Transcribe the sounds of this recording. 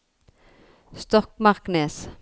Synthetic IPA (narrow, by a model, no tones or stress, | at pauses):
st̪ɔkmɑʁkneːs